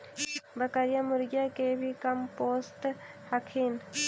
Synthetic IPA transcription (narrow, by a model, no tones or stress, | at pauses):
bəkaɾijamʊɾɡjakebʱikɐmpoːst̪ | həkʰiːn